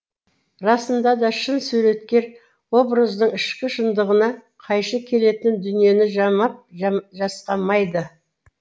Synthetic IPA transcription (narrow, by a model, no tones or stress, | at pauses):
rɑsənd̪ɑd̪ɑʃənsʉɾe̞t̪kʲe̞ɾ | wo̞brəzd̪əɴɪʃkʲɪʃənd̪əʁənɑqʰɑjʃəkʲʰe̞le̞t̪ɪnd̪ʏnije̞nɪʒɑmɑp̚ʒɑsqɑmɑjd̪ə